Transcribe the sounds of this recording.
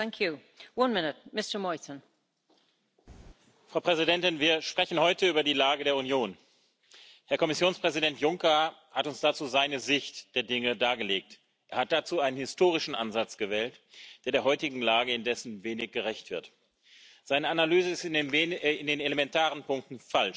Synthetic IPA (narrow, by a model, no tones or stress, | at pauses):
θãŋkʰju | wʌ̃nmɪnɪt̚mɪstəmɔɪtən̩ | fʁ̥ɑʊpʁ̥ɛzidɛntɪnviːɐʃpʁ̥ɛçn̩hɔʏtəyːbɐdiːlaːɡədeːɐunjoːn | hɛɐkɔmɪsjoːnspʁ̥ɛzidɛntjʊŋkɐhatʊnsd̥at͡suːzaɪnəzɪçtd̥eːɐdɪŋədaːɡəleːk̚t | ʔeːɐhat̚d̥at͡suːaɪnənhɪstoːʁ̞ɪʃn̩ʔa̰nzat͡sɡ̥əvɛːltd̥eːɐdeːɐɦɔʏtɪɡŋ̩laːɡəɪndɛsn̩veːnɪçɡ̥əʁɛçtv̥ɪɐt | z̥aɪnəanalyːzəɪst | ɪndeːnelemɛntʰaːʁənpʊŋk̚tn̩falʃ